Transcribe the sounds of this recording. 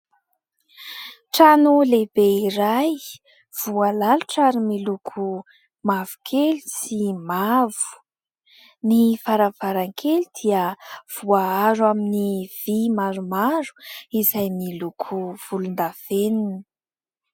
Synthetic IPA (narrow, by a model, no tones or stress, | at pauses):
ʈ͡ʂanulebeiɾaj | v̥ualaluʈ͡ʂaɾimilukʰu | mavu̥kʰelisimavu̥ | nifaɾavaɾaŋkʰelid̪̥iəv̥uaaɾwaminiv̥imaɾumaɾu̥izajmilukʰuv̥ulund̪av̥eninə̥